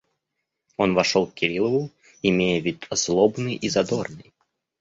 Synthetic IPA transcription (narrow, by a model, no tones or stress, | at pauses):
o̞nvɐʂolˠkkʲɪɾʲilˠəlˠʊ | ɪmʲejəvʲit̪ʲzlˠobnɨjizɐd̪ornɨj